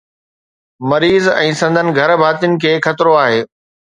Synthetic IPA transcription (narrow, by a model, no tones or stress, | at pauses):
mɐɾiːzɛ̃ːsɐ̃nd̪ʱənɪ̆ɡʱɐɾbʱaːt̪ijʊnɪ̆kʰeːxɐt̪ɪɾoaːɦeː